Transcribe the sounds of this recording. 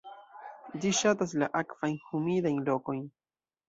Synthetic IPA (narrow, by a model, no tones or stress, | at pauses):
diʃat̪as̬laʔakfajnhumidajnloko̞jn